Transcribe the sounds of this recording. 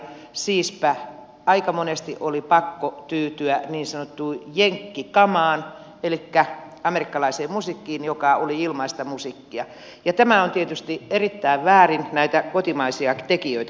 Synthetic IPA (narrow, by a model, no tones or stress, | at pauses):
siːspæ | ɑikɑmonest̪iʔolipɑkːot̪yːt̪yæniːnsɑnot̪ːuːjeŋkːikɑmɑːn | elikːæ | ɑmerikːɑlɑiseːmmusikːiːnjokɑoliilmɑist̪ɑmusikːiɑ | jɑt̪æmæont̪iet̪yst̪ierit̪ːæiʋʋæːrinnæit̪ækot̪imɑisiɑt̪ekiøit̪æ